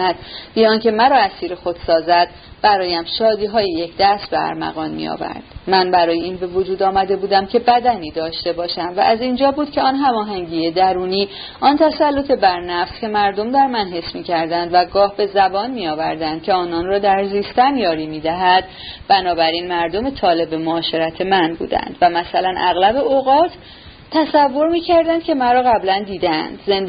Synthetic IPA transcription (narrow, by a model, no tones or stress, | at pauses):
æd̪̥bijɒːncʰe̞mæɾɒːæsiːɾexo̞d̪̥sɒːzæd̪̥̚ | bæɾɒːjæmʃɒːd̪iːɦɒːjije̞cʰd̪æst̪beæ̰ɾmæ̰ɣɒːnmḭjɒ̰væ̰ɾd̪̥mænbæɾɒːjeiːnbe̞vo̞d͡ʒuːd̪ɒːmæd̪e̞buːd̪æmcʰe̞bæd̪æniːd̪ɒːʃt̪e̞bɒːʃæmvæ̰ʔæzind͡ʒɒːbuːd̪cʰe̞ɒːnɦæmɒːɦæŋɟiːed̪æɾuːniː | ʔɒːnt̪ʰæsælːo̞t̪ʰe̞bæɾnæfscʲʰe̞mæɾd̪o̞md̪æɾmænɦe̞smiːcʰæɾd̪ænd̪væɡɒːhbe̞zæbɒːnmiɒːvæɾd̪ænd̪̚cʰʲe̞ɒːnɒnrɒːd̪æɾziːst̪æmjɒːɾiːmiːd̪æɦæd̪ | bænɒːbæɾiːnmæɾd̪o̞me̞t̪ʰɒːle̞bemoːʃe̞ɾæt̪ʰe̞mænbṵːd̪æ̰nd̪̥væmæsælænʔæ̰ɣlæbe̞oɣɒːt̪ʰ | t̪ːæsævːo̞ɾmiːcʰæɾd̪ænd̪kcʰe̞mæɾɒːɣæblænd̪iːd̪ææ̰nd̪ze̞nd̪